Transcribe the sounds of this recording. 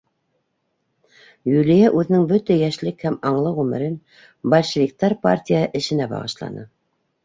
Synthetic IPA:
julijæʔʉðɘ̆nɘŋbɵt̪æjæʃlɘkhæmɑɴlˠɤʁʉmɘ̆ɾɘn | bɐlʲʃɘ̆vʲik̚t̪ɑɾpa̰rtʲijəʔɘ̆ʃɘ̆næbɑ̰ʁɤ̰̆ʃlˠɑ̰nɤ̰

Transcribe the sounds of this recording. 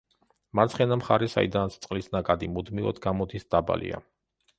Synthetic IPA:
maɾt̪sʰχɛnamχaɾɛsa̰id̪anst̪sʼqʼlisnakʼad̪imud̪miɔ̰d̪ɡamɔd̪isd̪̥aba̰lḭa̰

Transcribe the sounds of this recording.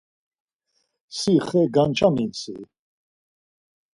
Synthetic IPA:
siχɛɡant͡ʃʼaminsḭ

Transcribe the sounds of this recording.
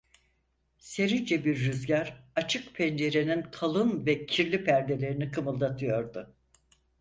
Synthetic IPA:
se̞ɾind͡ʒɛbiɾːyzɟaɾat͡ʃʰɯkpʰɛnd͡ʒe̞ɾe̞nink̪ʰalˠɯnvɛcʰiɾlʲipʰæɾd̪e̞lʲe̞ɾinikʰɯmɯlˠd̪at̪ʰɯjo̞ɾd̪ʊ

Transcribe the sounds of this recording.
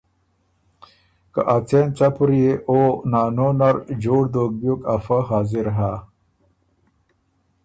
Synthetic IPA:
ka̰ʔat͡sʰent͡sapuɾijeʔonaːnonaɾd͡ʑoːɽd̪oːk̚bjukafaɦaːziɾɦa

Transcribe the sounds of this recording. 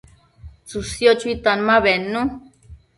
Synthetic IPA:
t͡susjot͡ʃwit̪anmãβenːũ

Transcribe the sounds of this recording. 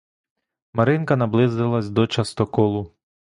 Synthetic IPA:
mɐɾɪnkɐnɐblˠɪzd̪ɪlˠɐsʲd̪ɔt͡ʃɐst̪ɔkɔlˠʊ

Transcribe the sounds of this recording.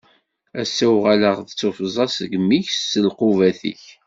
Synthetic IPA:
æsːæwʁaləʁðət͡sːofzˤɑsəɡmːiçsəlqʊvæθḭç

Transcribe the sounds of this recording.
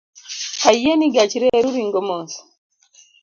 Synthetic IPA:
haijeniɡat͡ʃiɾeɾuɾiŋɡɔmɔnsḁ

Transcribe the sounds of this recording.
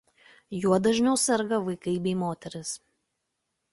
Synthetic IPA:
juɔd̪ɐʒʲnʲɛʊsʲɛɾɡɐʋɐɪkɐɪbʲɛɪmoːt̪ʲɛɾʲɪs

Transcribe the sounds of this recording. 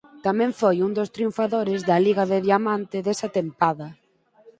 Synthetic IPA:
t̪amɛ̃ɱfojund̪ost̪ɾiuɱfaðoɾɪzðɐliɣɐðeðjamant̪ɪðesɐt̪empaðɐ

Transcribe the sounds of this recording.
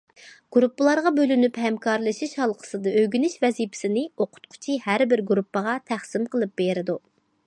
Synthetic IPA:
ɡ̥uɾupːɨlˠɑɾʁɑbølynyphɛmkʰɑɾlˠɨʃiʃhɑlˠqʰə̥sɨd̪ɑøɡʲynɪʃvɛzipʰɪ̥sɪnɪoqʰʊ̥t̪̚qʰʊ̥t͡ʃʰihæɾbɪɾɡuɾupːəʁɑt̪ʰæχsɪmqʰəlˠɨp̚beɾɪd̪u

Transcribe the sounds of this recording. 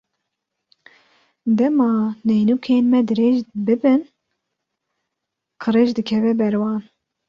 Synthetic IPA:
d̪ɛmɑːnɛjnuːkʰeːnmɛd̪ɨɾeːʒbɨbɨn | kʰɨɾeʒd̪ɨkʰɛvɛbɛɾwɑːn

